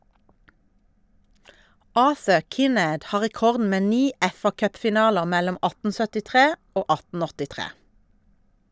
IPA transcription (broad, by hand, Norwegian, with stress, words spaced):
ˈɑːθə ˈkɪˌneːd ˈhɑː ʁɛˈkɔʁdn̩ ˈmeː ˈniː ˈɛfɑˌkœpfɪˌnɑːləʁ ˈmɛlɔm ˈɑtn̩ sœtɪˈtʁeː ˈoː ˈɑtn̩ ɔtɪˈtʁeː